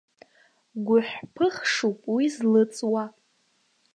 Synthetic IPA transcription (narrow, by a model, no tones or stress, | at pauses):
ɡʷʊħʷᶣpʰɨχʂupʼwizlɨt͡sʼwa